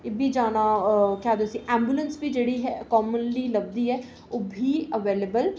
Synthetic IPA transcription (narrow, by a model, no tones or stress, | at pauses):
ɪbʱiːd͡ʒaːnaːkjaːd̪osĩʔɛ̃ːmbjulə̃nsbiːd͡ʒeːɽiːɦɛkɔːmənliːləb̚d̪iːɦɛː | oːbʱiːəʋeːlebəl